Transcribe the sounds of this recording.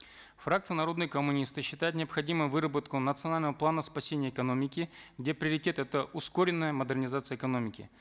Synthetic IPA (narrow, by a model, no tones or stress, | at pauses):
frakt̪sɨjənɐɾo̞d̪nɨjəkəmʊnʲist̪ɨɕːɪt̪ajʊt̪nʲɪɐpxɐdʲimɨjvɨɾəbət̪kʊnət̪sɨɐnalʲnəvəplˠanəspɐsʲenʲɪjəɪkɐno̞mʲɪkʲɪɡdʲe̞pɾʲɪəɾʲɪtʲe̞t̪ɛt̪əʔʊskoɾʲɪnːəjəməd̪ɨrnʲɪzat̪sɨjəɪkɐno̞mʲɪkʲɪ̰